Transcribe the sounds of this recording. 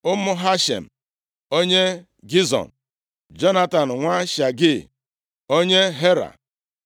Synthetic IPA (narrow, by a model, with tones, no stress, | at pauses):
ʊ˦mʊ˦ɦa˦ʃḛ˨m̩˨ | o˦ɲe˦ | ɡi˦zɔ̰˨n̩ | d͡ʒɔ˦na˦ta˨n̩˨ŋʷa˦ʃa˨ɡɪ˦ | o˦ɲe˦ɦe˦ɾa̰˨